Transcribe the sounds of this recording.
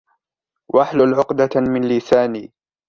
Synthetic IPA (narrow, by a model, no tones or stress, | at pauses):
wʔaħlʊlʕʊqd̪amɪnlɪsaːniː